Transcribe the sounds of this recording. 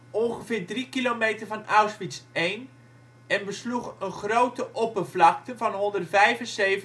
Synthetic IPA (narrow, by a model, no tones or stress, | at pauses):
ʔɔnχəvɪːɹdrikilowmejtəɹvɑnʔawsfitsejn | ɛnbəsluχənχrowtəʔɔpərvlɑk̚təvɑnɦɔndərtvɛjfənsejv